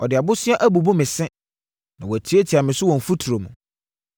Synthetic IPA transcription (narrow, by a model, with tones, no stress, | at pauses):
ɔ˨dɪ˨a˨bʊ˦sɪ˦a˦ʔæ˦bu˨bo˦mɪ̃˨sɛ̃˦ | nã˨wɔ˨æ˨tʰi˦e˦tʰi˨a˨mɪ̃˨sʊ˦wɔ̃˨ɱ̩˨fu˦tʰu˨ɾo˨mũ˨